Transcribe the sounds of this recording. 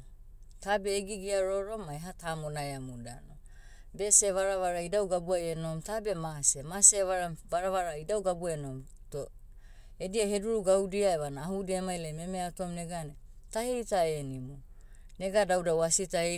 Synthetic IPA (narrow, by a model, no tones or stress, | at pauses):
tabe̞ːɡiɡiaɾoɾo̞mːajɦatamonaeamuda̰no | be̞seβaɾaβaɾaidawɡabuajeno̞mtabe̞masemaseβaɾavaɾaβaɾaidawɡabueno̞m | to | ediahe̞duɾuɡawdiaeβanaːhudiamajleme̞meatomneɡane | tahejtaenimu | ne̞ɡadawdawasitae